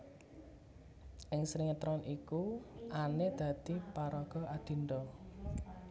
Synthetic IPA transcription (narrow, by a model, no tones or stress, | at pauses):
ʔɪŋsɾiŋət̪ɾɔnʔikuʔaned̪̥ä̤d̪̥i̤paɾɔɡ̥ɔ̤ad̪̥i̤nd̪ɔ